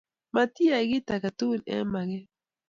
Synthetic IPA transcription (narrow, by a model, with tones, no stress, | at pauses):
ma˨t̪i˦a˨i˨ɡi˦ta˨ka˨t̪u˦˨nɛ̰˦ma˨ɣɛ˦